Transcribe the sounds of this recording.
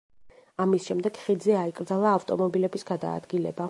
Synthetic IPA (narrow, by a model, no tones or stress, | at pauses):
amisʃɛmd̪ɛɡχid̪zɛaikʼɾd̪zalˠaːft̪ʼɔmɔbilɛbisɡad̪a̰ːd̪ɡilɛ̰ba